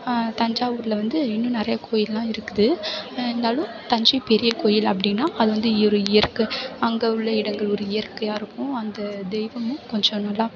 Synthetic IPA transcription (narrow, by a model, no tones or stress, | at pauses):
t̪ɐɲd͡ʒaːʋuːɾɯlɐʋɐnd̪ɯɪnːʊ̃nɪɾɐjɐkoːjɪllãːɪɾɯkːɯðɯnːaːlʊ̃ | t̪ɐɲd͡ʒɐpɛɾɪjɐkoːjɪlɐpːɐɽɪnːãːʔɐðɯʋɐnd̪ɯiɔɾɯɪjɐɾkɯɐŋɡɐɯɭːɐɪɽɐŋɡɐɭɔɾɯɪjɐɾkːɯjaːɪɾɯkːʊ̃ɐnd̪ɐd̪ɛɪʋɐmʊ̃kɔɲd͡ʒɔ̃nɐlːa